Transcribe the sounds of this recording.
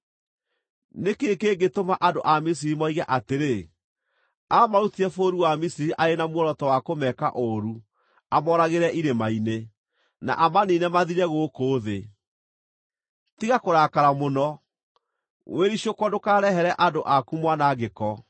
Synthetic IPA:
nekekeɡetomaʔadoʔamis̬iɾimɔiɣɛʔateɾe | amaɾutiɛfoɾuwamisiɾiʔaɾenamwɔɾɔtɔwakomɛka̰ʔoɾu | amɔɾaɣeɾɛʔiɾemaine | na̰ʔamaninɛmaðiɾɛɣokoːðe | tiɣakoɾaːkaɾamonɔ | weɾiɕjokwɔdokaːɾɛɦɛɾɛʔadoʔakumwanaːɣekɔ

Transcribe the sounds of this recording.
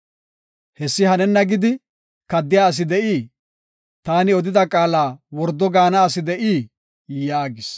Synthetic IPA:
hɛsːɪhɐnɛnːɐɡɪd̪ɪ | kɐd̪ːɪjaːɐs̬ɪd̪ɛʔiː | t̪aːnɪɔd̪ɪd̪ɐkʼaːlaːwɔɾd̪ːɔɡaːnɐːsɪd̪ɛʔiː | jaːɡɪs

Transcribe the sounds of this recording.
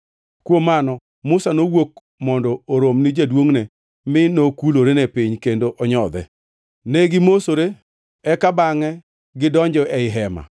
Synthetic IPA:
kwomːanɔ | mʊsanowok | mɔndɔːɾomnid͡ʒadwoŋnɛ | mɪnokuloɾenɛpɪɲkendoʔɔɲɔd̪ɛ̰ | nɛɡɪmosoɾe | ɛkabaŋɛ | ɡɪdɔɲd͡ʒɔʔɛɪɦɛma̰

